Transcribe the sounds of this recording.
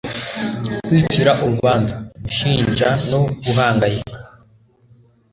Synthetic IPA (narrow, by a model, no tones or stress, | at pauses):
kwiːt͡ʃiɾaʔuɾuβaːnzaɡuʃiːnʒano̞ɡuɦaːŋɡajikḁ